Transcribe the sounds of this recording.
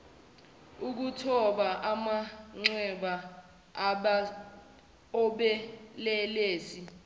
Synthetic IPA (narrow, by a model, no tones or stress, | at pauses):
uk̬utʰɔɓaʔamaŋ͡ǀɛɓa | ɔɓɛlɛleːsi